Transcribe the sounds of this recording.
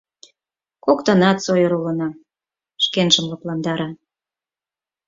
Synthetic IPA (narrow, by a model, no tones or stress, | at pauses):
kokt̪ə̆nɑt̪sojəɾulə̆nɑ | ʃkenʒə̆mlɤ̆plɑnd̪ɑɾɑ